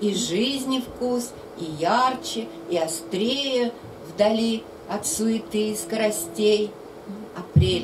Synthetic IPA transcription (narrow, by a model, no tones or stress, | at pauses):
iʐɨizʲnʲɪfkus | ijart͡ɕɪ | ɪɐst̪ɾʲejə | vd̪ɐlʲi | ɐt̪sʊɪt̪ɨjskəɾɐsʲtʲej | ɐpɾʲelʲ